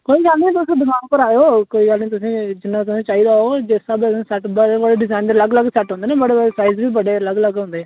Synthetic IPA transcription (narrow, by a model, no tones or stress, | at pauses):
koːĩːd͡ʒãːnd̪iːɛ̃ːt̪ʊsĩːd̪ʊkʰãːnpəɾaːjoːkoːiːɡəlnĩːt̪ʊsĩːd͡ʒɪnːãːt̪ʊsĩːt͡ʃaːiːd̪aːoːd͡ʒeːsaːbẽsɛːʈbəɽeːbəɽeːɖɪzaːɪnd̪əɾləɡləɡsɛʈɦõnd̪eːnẽːbəɽeːsaːizbiːbəɖeːələɡləɡɦʊ̃nd̪eːɛː